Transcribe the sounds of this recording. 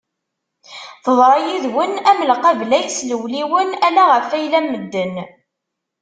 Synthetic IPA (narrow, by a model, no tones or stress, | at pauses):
θəðˤɾˤɑjiðwənæməlqɑvlæjsləwliwənælæʁəfːæjlæmːəd̪ːən